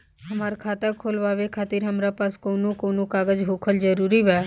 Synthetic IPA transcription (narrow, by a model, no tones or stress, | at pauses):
ɦəmaːɾkʰaːt̪akʰoːlʋaːʋekʰaːt̪iɾɦəmɾapaːskoːnokoːnokaːɡəd͡ʒɦoːkʰəld͡ʒəɾuːɾiʋɛː